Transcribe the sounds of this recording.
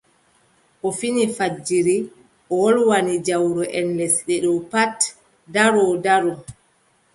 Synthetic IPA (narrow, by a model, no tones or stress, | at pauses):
ʔɔfinifad͡ʒiɾi | ʔɔwɔlwanid͡ʒawɾɔʔɛnlɛsɗɛɗɔpat | daɾɔdaɾɔ